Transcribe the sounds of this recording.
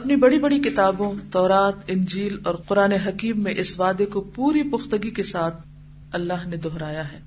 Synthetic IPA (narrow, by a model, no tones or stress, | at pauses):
ɐpnibɐɽibɐɽikɪt̪aːbõt̪ɔːɾaːt̪ɪ̃nd͡ʒiːlɔːɾqʊɾaːneɦɐkiːmːẽʔɪsʋaːd̪ekopuːɾipʊxt̪əɡikesaːt̪ʰ | ɐlːaːɦned̪ɔɦɾaːjaɦɛː